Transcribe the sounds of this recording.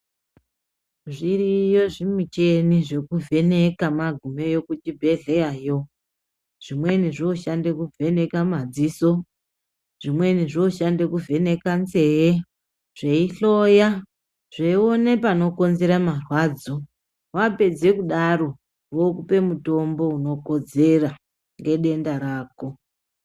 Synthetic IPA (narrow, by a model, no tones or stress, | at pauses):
ʐirijo̞ʐimit͡ʃeniʐe̞kuve̞ne̞kamaɡʱume̞jo̞kutibʱe̞ɮejajo̞ | ʐ̥imwe̞niʐoʃandekuvʱe̞ne̞kamad͡ziso | ʐ̥imwe̞niʐoːʃandekuve̞ne̞kant͡se̞je | ʐ̥eiɬo̞ja | ʐ̥eio̞ne̞pano̞ko̞nze̞ɾamarwaːd͡zo | wape̞d͡ze̞kuɗaɾo̞ | ʋokupe̞muto̞mbo̞uno̞ko̞d͡ze̞ra | ŋɡe̞ɗe̞ndaɾaːko̞